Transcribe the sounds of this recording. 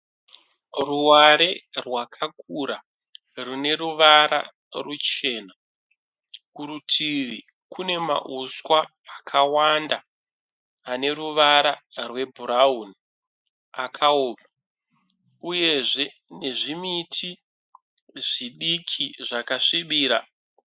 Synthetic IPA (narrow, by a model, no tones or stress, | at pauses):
ruwaɾe̞rwakʰakuɾa | rune̞ruʋaɾa̰ | rut͡ʃe̞ːna | kuɾutʰiʋi | kʰune̞ma̰ʔuswaː | kʰawandaː | ne̞ruʋaɾarwe̞bʱuɾauni | akʰaoːma | uje̞ʐe̞ | ne̞ʐimitʰi | ʐiɗikʰiʐakaʂiɓiːɾa